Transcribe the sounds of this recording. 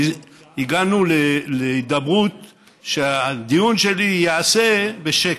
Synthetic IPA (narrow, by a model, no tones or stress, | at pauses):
iɡanuleleid̪abʁut̪ | ʃead̪ijunʃe̞lijeasebeʃe